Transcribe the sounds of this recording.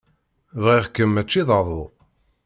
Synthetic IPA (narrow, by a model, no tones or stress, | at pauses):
vʁiʁkːəmːæt͡ʃːiðˤəɾðˤo